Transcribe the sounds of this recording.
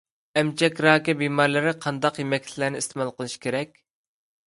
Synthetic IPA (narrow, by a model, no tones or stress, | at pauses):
ɛmt͡ʃʰɛkʲɾɑːkʲɛbimɑɾlˠɪɾɪqʰɑnd̪ɑqjemɛkʲt̪ʰlæɾnɪist̪ʰɪmɑlˠqəlˠɨʃkʲʰeɾɛkʲ